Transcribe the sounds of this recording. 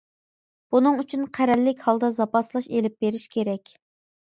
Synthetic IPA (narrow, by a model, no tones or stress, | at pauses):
b̥unɨŋyt͡ʃʰynqʰæɾɛlːɪkʲhɑlˠd̪ɑzɑpɑslˠɑʃelɪp̚beɾɪʃkʲʰeɾɛkʲ